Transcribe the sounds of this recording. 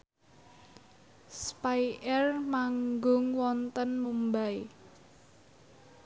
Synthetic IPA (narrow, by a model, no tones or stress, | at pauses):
spajʔɛrmaŋɡʊŋwɔnt̪ənmumbai